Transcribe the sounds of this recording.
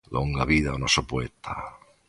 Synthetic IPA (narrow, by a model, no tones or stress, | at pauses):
lʔoŋɡaβiðaonosopoet̪ʰa̰